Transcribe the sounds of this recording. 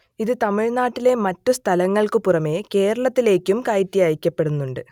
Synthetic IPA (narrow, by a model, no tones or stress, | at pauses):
iðɨt̪ɐmiɻnaːʈːile̞mɐtːust̪ʰɐlɐŋːɐɭkɨpurɐme̞ːke̞ːɾɐɭɐt̪ːile̞ːkʲːumkajtːijaːjikʲːɐpːe̞ɽunːuɳɖɨ